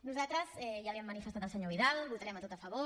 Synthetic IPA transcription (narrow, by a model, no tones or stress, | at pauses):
nuzat̪ɾəzɛʒaβiəmːənifəst̪at̪əlˠsəɲoβiðalβut̪aɾɛmət̪ot̪əfəβo